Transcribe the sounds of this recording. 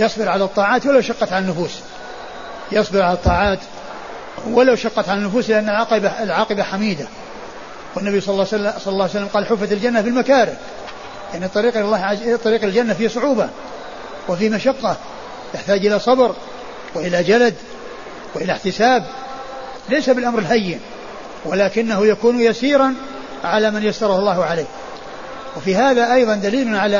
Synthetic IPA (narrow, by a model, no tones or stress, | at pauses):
jɑsˤbɪɾʕalat̪ˤːɑːʕaːt̪walawʃɑqːɑt̪ʕalanːʊfuːs | jɑsˤbɪɾʕalɑt̪ˤːɑːʕɑːt̪ | wɪlawʃɑqːɑt̪ʕalanːʊfuːslɪʔanːalʕqbaɪlʕɑːqɪbaħamiːd̪a | wɪnːabijsˤɑsˤɑlːɑlːɑʕjsalːamqɑːlħʊfːat̪ɪld͡ʒanːabɪlmakaːɾɪb | jaʕnit̪ˤːɑɾiːqʔllːɑːt̪ˤːɑɾiːqɪld͡ʒanːafiːhsˤʊʕuːba | wɪfiːhmaʃɑqːɑ | t̪ɪħt̪aːd͡ʒʔɪlasˤɑbɾ | wɪʔɪlad͡ʒalad̪ | wɪʔɪlaħt̪ɪsaːb̚ | lejsabɪlʔamɾɪlɦajːɪn | walaːkɪnːahʊjakuːnjasiːɾɑn | ʕalamanjast̪ɑɾˤɑhʊlˤːɑːhʊʕalejh | wɪfiɦaːðaʔɑjðˤɑnd̪aliːlʊnʕala